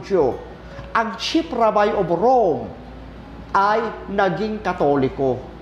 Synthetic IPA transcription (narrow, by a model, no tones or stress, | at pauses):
d͡ʒo | ʔɐŋt͡ʃipɾabajʔobɾom | ʔajnɐɡiŋkɐt̪oːlɪko